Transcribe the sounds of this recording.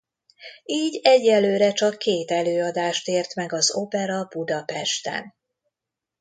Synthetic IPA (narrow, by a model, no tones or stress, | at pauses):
iːɟɛɟːɛlːøːɾɛt͡ʃɒkʰːeːt̪ɛløːɒd̪aːʃt̪eːrt̪mɛɡɒzo̞pɛɾɒb̥ud̪ɒpɛʃt̪ɛ̰n